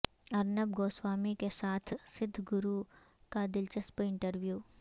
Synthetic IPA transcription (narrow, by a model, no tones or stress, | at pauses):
ɐɾnəbɡoːswaːmikesaːt̪ʰsɪd̪ʱːɡʊɾu | kad̪ɪlt͡ʃəspɪ̃ɳʈəɾʋjuː